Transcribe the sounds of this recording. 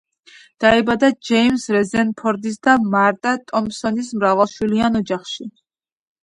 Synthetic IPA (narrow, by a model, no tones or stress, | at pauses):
d̪̥aɛbad̪ad͡ʒɛimsɾɛzɛnpʰɔɾd̪is̬d̪amaɾt̪ʼat̪ʼɔmsɔnismɾavalˠʃwilianɔd͡ʒaχʃi